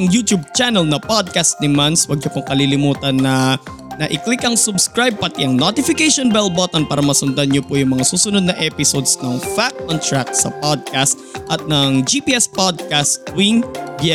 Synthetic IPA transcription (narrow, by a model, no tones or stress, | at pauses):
ŋjut̪jub̚t͡ʃanɛlnɐpod̪̚kast̪̚nɪmanswɐɡ̚ɲopoŋkɐlilɪmuːt̪ɐnːɐ | nɐʔɪklɪkɐŋsʊbskɹajb̚pɐt̪ɪʔɐŋnot̪ɪfɪkɛjʃonbɛlbot̪ɐnpaːɾɐmɐsʊnd̪ɐnɲopojʊŋmɐŋasuːsʊnod̪̚nɐʔɛpɪsod̪snɐŋfak̚t̪ont̪ɹak̪̚sɐ̰pod̪̚kast̪̚ʔɐt̪̚nɐŋd͡ʒipiʔɛspod̪̚kast̪̚winb